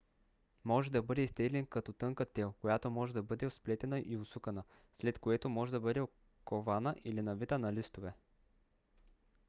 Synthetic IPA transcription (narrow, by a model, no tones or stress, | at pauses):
mɔʒɛd̪ɐbɤd̪ɛist̪ɛɡlʲɛnkɐt̪ɔt̪ɤŋkət̪ːɛlˠkojat̪omɔʒɛd̪ɐbɤd̪ɛosplɛt̪ɛnəʔiʊsukənə | slɛt̪koɛt̪omɔʒɛd̪ɐbɤd̪ɛo | kovanəʔilinɐvit̪ənɐlist̪ovɛ